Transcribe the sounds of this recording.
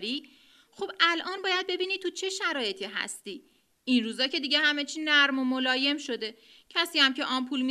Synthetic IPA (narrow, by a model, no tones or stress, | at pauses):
ɾiː | xobælʔɒːnbɒːjæd̪̚be̞biːniːt̪ʰːut͡ʃʰe̞ʃæɾɒːje̞t̪ʰiɦæ̰st̪iː | inruːzɒːcʰe̞d̪iːɟe̞hæme̞t͡ʃʰiːnæɾmomo̞lɒːje̞mʃo̞d̪e̞ | cʰæsiːæmceʔɒːmpʰuːlmi